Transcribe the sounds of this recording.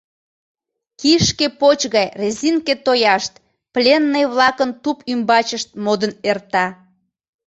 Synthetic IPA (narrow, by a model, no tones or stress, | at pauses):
kiʃkepot͡ɕɣɑjrezinket̪ojɑʃt̪̚ | plʲenːəjβlɑkənt̪upymbɑt͡ɕəʃt̪̚mod̪ənert̪ɑ